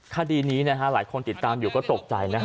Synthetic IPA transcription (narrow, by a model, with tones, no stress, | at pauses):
kʰaː˥˧˩diː˧niː˦˥na˦˥kʰa˦˥laː˩˦jkʰo˧nt̪i˨˩t̪ːaː˧mjuː˨˩kɔː˥˩t̪o˨˩k̚t͡ɕa˧jna˦˥